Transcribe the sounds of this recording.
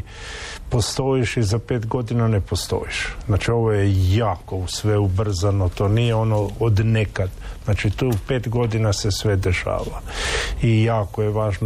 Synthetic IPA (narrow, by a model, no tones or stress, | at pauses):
po̞st̪o̞iʃizapeːt̪ɡo̞d̪inanepost̪o̰iʃznat͡ʃio̞ʋojejaːko̞usʋeubr̩zanot̪o̞ːnijeo̞nood̪nekad̪znaːt͡ʃit̪upeːt̪ɡo̞d̪inasesʋed̪eʃa̰ːʋaijaːkojeʋaːʒn